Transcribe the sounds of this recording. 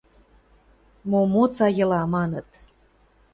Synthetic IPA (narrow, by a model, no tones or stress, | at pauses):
momot͡sɑjɤ̆lɑmɑnə̆t̪